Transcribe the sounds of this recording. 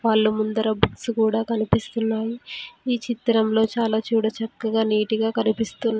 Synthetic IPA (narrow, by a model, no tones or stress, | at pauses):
ʋaːɭːumund̪ɐɾɐbuksukuːɽaːkɐnipist̪unːaːjiiːt͡ʃit̪ːɾɐmlo̞ːt͡ʃaːlaːt͡ʃuːɽɐt͡ʃɐkːɐɡaːniːʈiɡaːkɐnipist̪unː